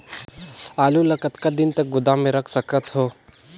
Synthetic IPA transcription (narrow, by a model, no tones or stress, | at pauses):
aːlulɐkət̪kad̪ɪnt̪ək̚ɡʊd̪amẽɾɐkʰsəkət̪ɦoː